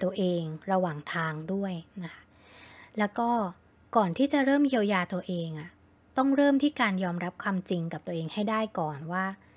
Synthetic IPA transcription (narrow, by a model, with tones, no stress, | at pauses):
t̪u˧ɐʔeː˧ŋɾa˧waː˨˩ŋt̪ʰaː˧ŋdu˥˩əjna˦˥kʰa˦˥ | lɛː˦˥wkɔː˥˩ | kɔː˨˩nt̪ʰiː˥˩t͡ɕa˨˩ɾɤː˥˩mji˧əwjaː˧t̪u˧ɐʔeː˧ŋʔa˨˩ | t̪ɔ˥˩ŋɾɤː˥˩mt̪ʰiː˥˩kaː˧njɔː˧mɾa˦˥p̚kʰwaː˧mt͡ɕi˧ŋka˨˩p̚t̪u˧əʔeː˧ŋha˥˩jdaː˥˩jkɔː˨˩nwaː˥˩